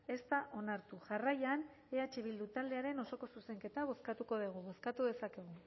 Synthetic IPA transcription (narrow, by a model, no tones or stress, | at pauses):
e̞st̪aʔo̞naɾt̪uʝarajan | e̞at͡ʃe̞βild̪ut̪ald̪e̞aɾe̞no̞so̞ko̞suse̞ŋke̞t̪aβ̞o̞skat̪uko̞ð̞eɣ̞uβo̞skat̪uðe̞sake̞ɣ̞u